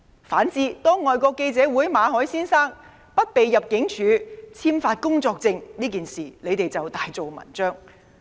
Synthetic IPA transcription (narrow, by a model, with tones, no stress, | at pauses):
faː˨˥nt͡siː˧t̪ɔː˥ŋɔː˨jkɔː˧kːe˧jt͡sɛː˨˧˥wuː˨˥jmaː˨˧ɦɔː˨˥jsiː˥nsaː˥ŋ | pɐ˥t̚pe˨jːɐ˨p̚kɪ˨˥ŋt͡ʃʰyː˨˧t͡sʰiː˥mfaː˧t̚kʊ˥ŋt͡sɔː˧k̚t͡sɪ˧ŋniː˥k̬iː˨nsiː˨˩le˨˧jt̪e˨˩jt͡sɐ˨wt̪aː˨jt͡so˨wmɐ̰˨˩nt͡ʃœː˥ŋ